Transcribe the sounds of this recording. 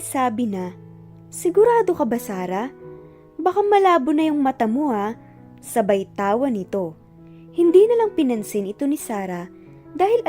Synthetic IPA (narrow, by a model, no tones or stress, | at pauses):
saːbɪnɐ | sɪɡʊɾaːd̪o̞kɐbɐsaːɾɐ | bɐkamɐlaːbʊnɐjʊŋmɐt̪ɐmua | sɐbɐjt̪aːwɐnɪt̪o̞ | hɪnd̪iːnɐlɐŋpɪnɐnsɪnɪt̪o̞nɪsaːɾɐ | d̪aːhɪlɐ